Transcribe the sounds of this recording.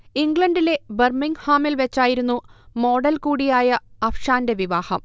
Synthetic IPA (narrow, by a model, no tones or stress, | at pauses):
iŋɡɭɐnɖile̞bɐrmiŋɡhaːmilʋɐt͡ɕːaːjiɾunːumo̞ːɽɐlkuːɽijaːjɐɐfʂaːnde̞ʋiʋaːhɐm